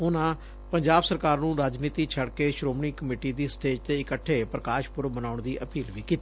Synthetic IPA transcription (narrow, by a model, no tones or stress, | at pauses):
ʊnãː | pəɲd͡ʒaːbsəɾkaːɾnũːɾaːd͡ʒniːt̪iːt͡ʃʰəɽkeːʃɾoːmɳiːkəmiːʈiːd̪iːsʈeːd͡ʒt̪eːɪkəʈʰːeːpɾəkaːʃpʊɾbənaːʊɳd̪iːʔəpiːlʋiːkiːt̪iː